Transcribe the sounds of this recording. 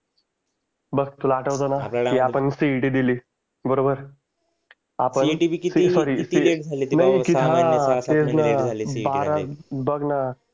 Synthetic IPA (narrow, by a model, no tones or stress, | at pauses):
bəɡ̚t̪ulaːʈəʋt͡sanakiapəɳsiʈid̪iliː | bəɾobəɾ | apənsisɔɾiːsinaɦikiat̪ed͡znabaɾabəɡna